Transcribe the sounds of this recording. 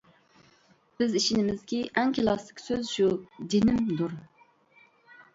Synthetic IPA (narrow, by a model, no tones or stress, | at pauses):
b̥ɪziʃinɪmɪzkʲiʔɛŋkʲʰilˠɑslɪkʲsøzʃud͡ʒinɪmd̪uɾ